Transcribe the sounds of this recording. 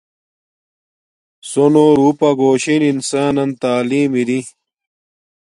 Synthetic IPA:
sonoːɾuːpɐɡoːɕininsaːnɐnt̪aːliːmiɾi

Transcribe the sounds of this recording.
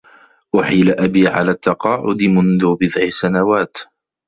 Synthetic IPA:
ʔʊħilaʔabiːʕa̰laːt̪ːɑqɑːʕʊ̰d̪ɪmʊnðʊbɪðʕɪsanawaːt̪

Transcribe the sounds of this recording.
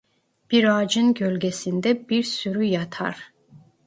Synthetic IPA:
b̥iɾɑːd͡ʒɯnɟølʲɡesind̪ɛbiɾsyɾyjɑt̪ʰɑ̰ɾ

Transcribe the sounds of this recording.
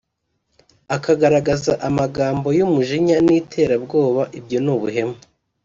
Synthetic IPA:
akaɡaɾaɡazaʔamaɡaːmbo̞jumuʒiɲaniːtʰe̞ːɾabɡo̞ːβaʔibɟo̞nuβuɦe̞mu

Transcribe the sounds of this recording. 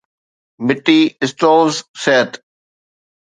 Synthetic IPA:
mɪʈːiɪsʈoːlzseʈ

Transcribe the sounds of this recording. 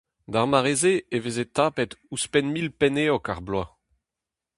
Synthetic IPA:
d̪aʁmaʁezeevezet̪aːpɛt̪uspɛnmilpɛneːɔkaʁblwa

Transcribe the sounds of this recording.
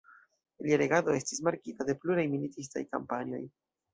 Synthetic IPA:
iliaɾe̞ɡado̞e̞stismaɾkitade̞pluɾajmilitis̬ta̰jka̰mpanio̞̰j

